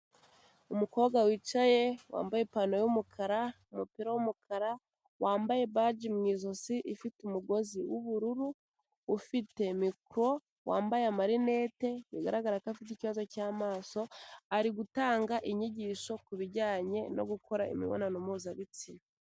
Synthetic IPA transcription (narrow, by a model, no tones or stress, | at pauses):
umuko̞ːɡawiːt͡ʃajewa̰ːmbaje̞pano̞jumukʰaɾaumupiɾawumukʰaɾa | waːmbaje̞βad͡ʒimŋiːzosiʔifitumuɡo̞ziwuβuɾuɾuː | fite̞mikɾo̞ | wa̰ːmbajeamaɾine̞ːte̞wiɡa̰ɾaɡaɾakafit̬iciβazo̞caːmaːso̞aɾiɡutaːŋɡaʔiɲiɟiːʃo̞kuβiɾɟaːɲe̞no̞̰ɡukʰo̞ɾaḭmḭβo̰nanomuːzaβit͡sin